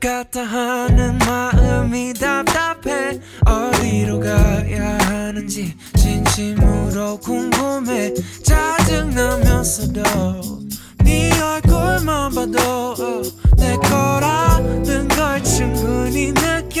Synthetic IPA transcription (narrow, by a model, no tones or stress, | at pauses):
kat̪ʰaɦanɯnmaɯmid̪ap̚t̪apʰe | ʌɾiɾoɡajaɦanɯnd͡ʑi | t͡ɕinɕimuɾokuŋɡumet͡ɕad͡ʑɯŋnamjʌsod̪o | niʌjkoɭmabad̪o | nekʰʌɾanɯŋɡʌɭt͡ɕʰɯŋɡɯninɯk